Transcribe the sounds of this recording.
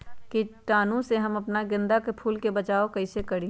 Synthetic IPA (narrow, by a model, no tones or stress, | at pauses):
kiʈaːnõseɦɐmɐpnaɡɪ̃nd̪akepʰuːlkebət͡ʃaːokɐɪsekəɽĩ